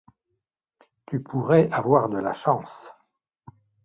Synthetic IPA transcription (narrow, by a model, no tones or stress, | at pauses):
t̪ypʰuʁɛavwaʁd̪əla̰ʃɑ̃s